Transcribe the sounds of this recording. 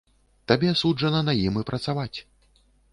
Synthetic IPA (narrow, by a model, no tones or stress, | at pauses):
t̪abʲɛsud͡ʐɐnɐnajimɨpɾʔɐt̪savat͡sʲ